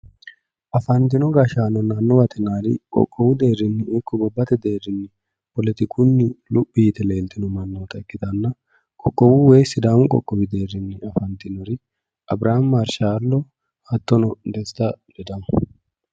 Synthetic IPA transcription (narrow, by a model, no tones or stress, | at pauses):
ʔɐfɐnt̪ɪnɔɡaʃaːnɔnaːnːɔwɐt̪ʰɪnaːɾɪ̰kʼɔ̰kʼːɔwʊd̪e̞ːrːɪnːɪɪkːɔɡɔbːɐt̪ɛd̪e̞ːrːɪnːɪ | pɔlɛt̪ɪkʰʊnːɪlʊpʼːiːt̪ɛle̞ːlt̪ɪnɔmɐnːɔt̪ɐɪkːɪt̪ɐnːɐ | kʼɔkʼːɔwʊweːsɪd̪aːmʊkʼɔ̰kʼːɔwɪd̪e̞ːrːɪnːɪɐfɐnt̪ɪnɔɾɪ | ʔɐbɾaːmːɐɾʃaːlːɔ | hɐt̪ːɔnɔd̪ɛst̪ɐd̪ɛd̪ɐmɐ̥